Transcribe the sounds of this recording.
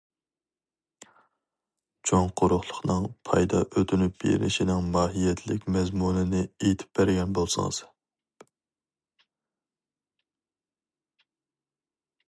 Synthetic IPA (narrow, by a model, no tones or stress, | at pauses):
t͡ʃʰoŋqʰʊɾʊχlˠə̥χnɨŋpʰɑjd̪ɑ̰ʔøt̪ʰynyp̚b̥ḛlɪ̰ʃinɪŋmɑːɦijɛt̪ʰlɪkʲmɛzmunɪnɪejt̪ʰɪ̥p̚bæɾɡʲɛnbolˠsɑ̰ŋz